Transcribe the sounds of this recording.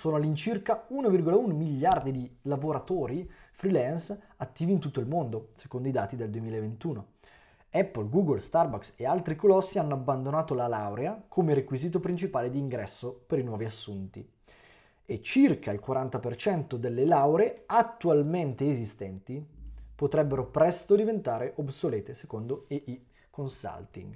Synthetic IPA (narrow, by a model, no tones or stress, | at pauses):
soːnoalːint͡ʃirkaunovirɡolaunomiʎːard̪id̪ilavoɾat̪oːɾifɾilɛns | at̪ːiːvint̪ut̪ːoilmond̪ose̥kond̪oid̪aːt̪id̪eld̪uwemiːlaevent̪uːno | ɛpːolɡuːɡolst̪arbaksealt̪ɾikolɔsːianːoabːand̪onaːt̪olalawɾeakʰomeɾekwiziːt̪opɾint͡ʃipaːled̪iːŋɡɾɛsːopeɾinwɔːviasːunt̪ḭ | et͡ʃirkailkwaɾant̪apert͡ʃɛnt̪od̪elːelawɾeeat̪ːualment̪eːzist̪ɛnt̪ipot̪ɾɛbːeɾopɾɛst̪od̪ivent̪aːɾeʔobsoleːt̪esekond̪oeʔi | konsa̰lt̪ḭŋɡ